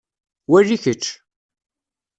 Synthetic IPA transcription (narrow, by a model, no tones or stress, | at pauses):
wærːiçət͡ʃː